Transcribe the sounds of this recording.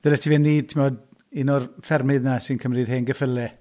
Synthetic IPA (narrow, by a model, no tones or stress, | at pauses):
ð̥ɛlɛtʰivɛnːiːd̚tʰɪmɔdɪnɔrfɛrmɨðnasɨnkʰəmrið̥ɦeːnɡəfəlˠɛ